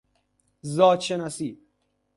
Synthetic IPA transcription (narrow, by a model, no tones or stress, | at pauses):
zɒːt̪ʃenasi̥ː